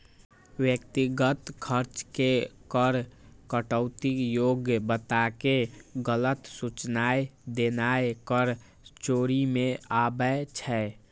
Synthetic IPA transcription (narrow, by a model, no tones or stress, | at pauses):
wjəkt̪iɡət̪kʰəɾt͡ʃkekəɾkəʈəʊt̪ikjoɡjəbət̪akeɡələt̪sut͡ʃnaed̪enaekəɾ | t͡ʃoɾimeabɛt͡ʃʰɛ